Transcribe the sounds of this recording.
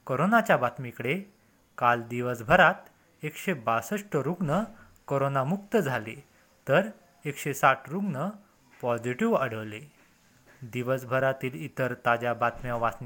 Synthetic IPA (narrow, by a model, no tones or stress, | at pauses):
koɾonat͡ɕjabat̪mikəɽe | kald̪iʋəsbʱəɾat̪ | ekɕebasəʂʈəɾuɡnə | koɾonamukt̪əd͡zʱale | t̪əɾ | ekɕesaʈʰɾuɡnə | pɔd͡ʑiʈiʋəɽ̤əʋle | d̪iʋəsbʱəɾat̪iːlit̪əɾt̪ad͡ʑjabat̪mjaʋasni